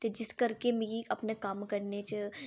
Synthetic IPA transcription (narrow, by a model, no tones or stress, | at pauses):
t̪ed͡ʒɪskɐɾkemiɡikɐpnakaːmkɐɾnet͡ʃə